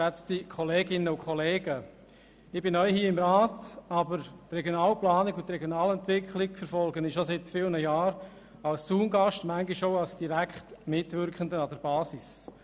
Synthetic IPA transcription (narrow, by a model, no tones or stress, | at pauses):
ɛt͡stikʰɔleːɡɪnəʊkʰχɔleːɡə | ɪb̥ɪnœʏɦiːɪmɾaːtɑbəɾtrɛɡjonaːlplaːnɪɡʊntɾɛɡjonaːlɛntʋɪkʰlɪɡ̥fəɾfɔlɡənɪʃosɪtfiːlnəjaːɾ | ɑlst͡suːmɡɑʃtmæŋɡɪʃoʊɑlsd̥iɾækʰtmɪtvɪɾkχəndəɑd̥əɾbɑːsɪs